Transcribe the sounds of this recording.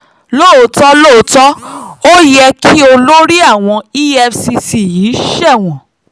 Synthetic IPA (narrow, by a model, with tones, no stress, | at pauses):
lo˦˨˦tɔ˦lo˦˨˦tɔ˦o˦jɛ˧ki˦o˧lo˦ɾi˦a˦˨w̃ɔ̃˧i˦ɛ˧fsi˧si˨jiː˨˦ʃɛ˦˨w̃ɔ̃˨